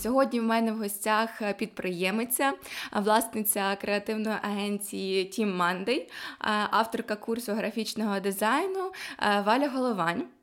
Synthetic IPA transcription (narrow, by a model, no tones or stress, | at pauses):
sʲɔɦɔdʲnʲiwmɛnɛwɦɔsʲtʲaxpʲid̪̚pɾɪjɛmɪt͡sʲːɐʋlˠɑsnɪt͡sʲɐkɾeɐt̪ɪwnɔjiʔɐɦɛnʲt͡sʲijitʲʰimːɑnd̪ɪjʔɑwt̪ɔrkɐkursɔɦɾɐfʲit͡ʃnɔɦɔd̪ɪzɑjnʊʋɑlʲɐɦɔlˠɔʋɑnʲ